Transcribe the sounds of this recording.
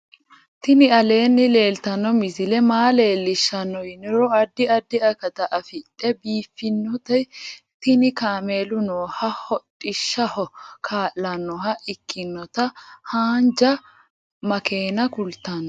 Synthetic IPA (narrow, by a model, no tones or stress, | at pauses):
t̪ɪnɪɐle̞ːnːɪle̞ːlt̪ɐnːɔmɪzɪlɛmaːle̞ːlːɪʃːɐnːɔjɪnɪɾɔɐd̪ːɪɐd̪ːɪɐkɐt̪ɐʔɐfɪt̪ʼːɛbiːfːɪnːɔt̪ɛj | t̪ɪnɪkaːme̞ːlʊnoːhɐhɔtʼːɪʃːɐhɔkʰaːʔːɐnːɔɦɐʔɪkːɪnːɔt̪ɐhaːnd͡ʒɐ | mɐke̞ːnɐkʊlt̪ɐn